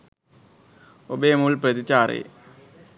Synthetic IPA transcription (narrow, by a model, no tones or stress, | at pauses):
obeːmuːlprɐd̪it͡ɕːaːɾḛː